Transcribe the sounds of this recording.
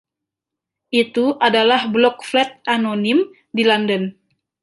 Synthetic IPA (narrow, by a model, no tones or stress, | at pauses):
ʔit̪uʔadalahblɔk̚flɛt̪̚anonim | dilandən